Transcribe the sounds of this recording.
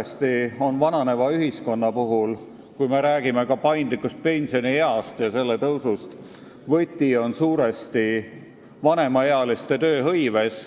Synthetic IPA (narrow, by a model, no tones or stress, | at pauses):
st̪io̞nvɑnɑne̞vɑyɦisko̞nːɑpuɦul | kujme̞ɾæːɡ̥ime̞kɑpɑjnd̪likːˑust̪̚pe̞nʲsio̞nihe̞ɑst̪jɑse̞lːe̞t̪ɤwsust̪ | vɤt̪ʲːio̞nsuːɾe̞st̪i | vɑne̞mɑeɑlist̪e̞t̪ø̞ːɦɤ̞jve̞s